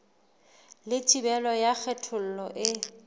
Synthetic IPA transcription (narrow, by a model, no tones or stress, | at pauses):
lɪtʼibɛlɔjak͡xʰɛtʰʊl̩lɔʔɪ